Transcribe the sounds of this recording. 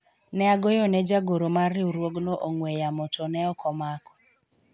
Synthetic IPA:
nɛaɡojɔnɛd͡ʒaɡoɾomaɾɪuɾwoɡnoʔoŋwɛjamɔtɔnɛɔkʰɔmakɔ̥

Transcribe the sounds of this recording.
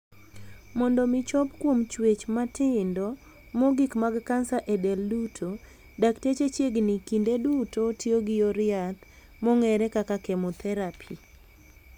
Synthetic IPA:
mɔndɔmɪt͡ʃɔpkwomt͡ʃwet͡ʃmatʰɪndɔ | mɔɡikmaɡkansaʔedɛldutʰo | daktet͡ʃet͡ʃjeɡnɪkindedutotioɡɪɔɾɪat̪ | mɔŋɛɾɛkakakɛmɔt̪ʰɛɾapʰi

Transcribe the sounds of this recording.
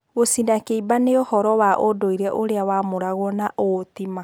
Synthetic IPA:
ɣosindakeibaneohɔɾɔwaʔodoiɾɛʔoɾeawamoɾaɣwɔnaʔotima

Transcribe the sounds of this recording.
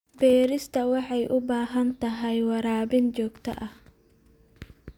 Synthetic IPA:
bɛːɾɪst̪ʰɐwɑħɑjʔʊbaːɦɐnt̪ʰɐɦɛjwɑɾaːbɪnt͡ʃɔːɡt̪ʰɐ̰ʔɐh

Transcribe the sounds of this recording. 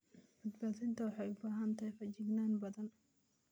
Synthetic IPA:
bɐd̪baːðɪnt̪ʰɐwɑħɑjʊbaːɦɐnt̪ʰɐɦjfɐt͡ʃɪɡnaːnbɐðɐn

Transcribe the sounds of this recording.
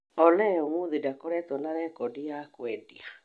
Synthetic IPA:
ɔlɛɔmuðidakɔɾɛtɔnaɾɛkɔdiakwɛdia

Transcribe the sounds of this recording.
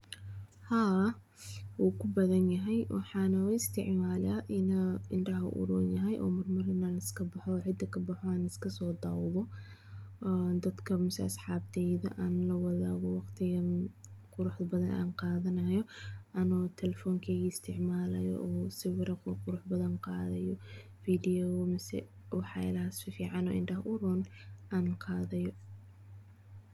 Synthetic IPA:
ha | wuːkʰʊbɐðɐnjɐɦɛjwʔɑ̰ħɑːnɐɪst̪ʰɪʕmaːlaːʔɪnɐɪnɖɐɦɐʔʊ̰ɾṵːnjɐɦɛjʔɔ̰ːmɐrmɐɾɪnaːnɪskʰɐbɐħɔʕɪd̪ɐkʰɐbɑħɔaːnɪskʰɐsɔːd̪aːwðɔ | ʔnd̪ɐd̪kʰɐmɪsɛ̰ɐsħɑːb̚t̪ʰɛjðɐ̰ʔaːnlɐwɑðaːɣɔwɑqt̪ʰɪɣɐnqʊɾʊħðɐbɐðɐnʔa̰ːnqɑːðɐnɐjɔʔɐnɔt̪ʰɛlɛfɔːŋkʰɛːɣiːɪst̪ʰɪʕmaːlɐjɔ̰ʔɔːsɪwɪɾɐqɔqʊɾʊħbɐðɐnqɑːðɐjɔ | fiːd̪ɪɔwmɪsɛ̰ | wɑħɑ̰ɪ̰lɐhɐsfɪfiːʕɑnɔ̰ːʔɪndɐhʔʊɾɔːnʔaːnqʰɑːðɐjɔ

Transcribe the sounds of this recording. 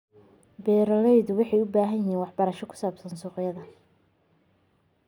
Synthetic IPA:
bɛːɾɔlɛjd̪wɑħɑjʊbaːɦɐjɪɦiːnwɑħbɐɾɐʃɔkʰʊ̥saːbsɐnsuːqɪjɐðɐ

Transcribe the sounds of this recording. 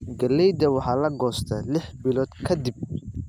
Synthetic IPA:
ɡɐlɛjd̪ɐwɑħɑːlɐɡɔːst̪ʰɐlɪħbɪlɔːd̪kʰɐd̪ɪb̚

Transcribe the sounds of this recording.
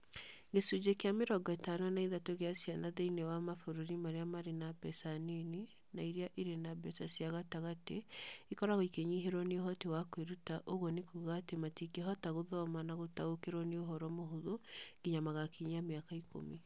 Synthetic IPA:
ŋɡesud͡ʒekeameɾɔɡɔɛtanɔnaiðatoɣeasjanaðeinewamafoɾoɾimaɾeamaɾenabɛsaneni | naiɾeaʔiɾenabɛsasiaɣataɣateikɔɾaɣoikeɲiɦeɾɔneoɦɔtewakweɾutaʔoɣɔnekuɣaːtematikeɦɔtaɣoðɔmanaɣotaokeɾɔneoɦɔɾɔmoɦoðoŋɡ̥iɲamaɣakʰiɲjameakaikʰo̰me

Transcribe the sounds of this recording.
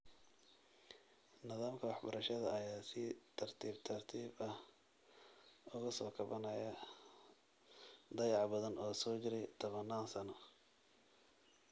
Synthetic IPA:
nɪðaːmkʰɐwɑħbɐɾɐʃɐðɐɐjaːsɪt̪ʰɐrt̪ʰiːbt̪ʰɐrt̪ʰiːbɐh | ʊɣɐsɔːkʰɐβɐnɐjɐ | d̪ɐjɑʕbɐðɐnɔːsɔːt͡ʃɪɾɛjt̪ʰɔβɐnːaːnsɐnɔ

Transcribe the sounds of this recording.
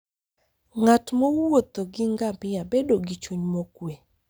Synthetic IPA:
ŋatmowwot̪oɡiŋɡabɪabedoɡit͡ʃuɲmokwe

